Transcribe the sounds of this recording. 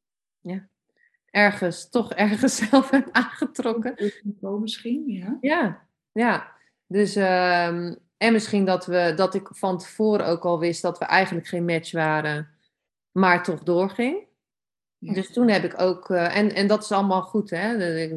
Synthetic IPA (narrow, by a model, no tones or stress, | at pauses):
ja | ʔɛɹχənstɔχɛɹχəsɛlˠfɛtaːnχətrɔkəomɪsχinja | ja | døsəm | ɛnmɪsχindɔtʋədɔtɪkfɔntə̥foːɾəowkɔlˠʋɪst̚dɔtʋəʔɛjχənləkχejnmɛt͡ʃʋaːɾə | maːɹtɔχdʊːɹχɪŋ | døstunɦɛpɪkowkʔɛnɛndɔtɪ̥sɑlˠəmalˠχutɛ